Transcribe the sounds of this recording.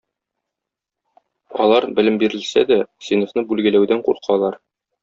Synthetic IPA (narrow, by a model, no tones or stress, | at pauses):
ɒ̰lˠɑɾbɘ̆lɘmbiɾɘ̆lsæ̰d̪æsinŏfnɤbʉlɡɘ̆læwd̪æɴquɾqʰɑlˠɑɾ